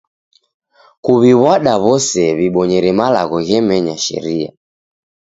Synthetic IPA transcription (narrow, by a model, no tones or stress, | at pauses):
kuβiβwaɗaβɔsɛβiɓɔɲɛɾɛmala̰ɣɔɣɛmɛɲaʃɛ̰ɾia̰